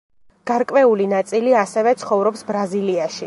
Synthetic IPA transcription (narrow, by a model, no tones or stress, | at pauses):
ɡ̥aɾkʼwɛulinat̪sʼiliasɛvɛt̪sʰχɔvɾɔpsbɾaziliaʃi